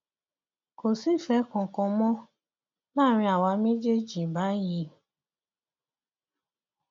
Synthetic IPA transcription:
ko˨si˦˨fɛ˨˦kɔ̃˨kɔ̃˧mɔ̃˦ | mãː˦˨ɾ̃ĩ˧a˨wa˨˧˦me˦d͡ʒe˦d͡ʒĩ˨ba˨˦ji˧˦

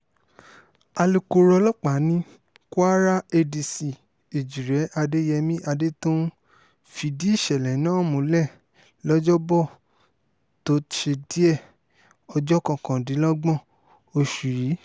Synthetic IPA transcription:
a˧lu˧ko˧ɾɔ˧lɔ˦k͡pa˨˦nĩ˦ | ko˦a˦ɾa˦e˧di˨si˨ | e˨d͡ʒi˨ɾɛ˨˦ʔa˧de˦jɛ˧mĩ˦ʔa˧de˦tũ˦ | fi˨di˦i˦˨ʃɛ˨lɛ˨˦nãː˦˨mũ˨˦lɛ˦˨ | lɔ˦d͡ʒɔ˦bɔ˦˨ | to˨˦ʃe˧di˦ɛ˦˨ | ɔ˧d͡ʒɔ˦kɔ̃˧˨kã˨dĩ˨˦lɔ˦ɡ͡bɔ̃˦˨ | o˧ʃu˨ɾi˨˦

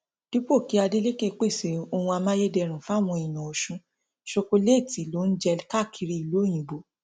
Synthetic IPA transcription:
d̥u˦k͡po˦˨ki˨˦a˧de˦le˦ke˦˨˧k͡pe˦˨se˨o˧hũ˧a˧mãː˦je˦dɛ˧˨ɾ̃ũ˨fa˦˨w̃ɔ̃˧i˨nɔ̃˨o˨ʃũ˧˦ | ʃo˧ko˧le˦˨ti˨lo˦n̩˦d͡ʒɛ˧ka˦˨kʰi˧ɾi˧i˨lo˨˦˨j̃ĩ˨bo˨

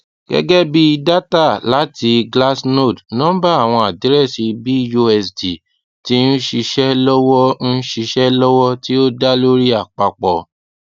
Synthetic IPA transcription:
ɡ̥ɛ̰˦ɡɛ˦bi˦˧da˦ta˦˨la˨˦ti˧ɡla˦sno˦˨dnɔ̃˦ba˦a˦˨w̃ɔ̃˧a˨di˨ɾɛ˦˨si˧bi˦jo˧ɛ˧sdi˨ | ti˦n̩˦ʃi˧ʃɛ˦lɔ˦wɔ˦n̩˦ʃi˧ʃɛ˦lɔ˦wɔ˦ti˦o˦da˦lo˦ɾi˦a˦˨k͡pa˧k͡pɔ˨

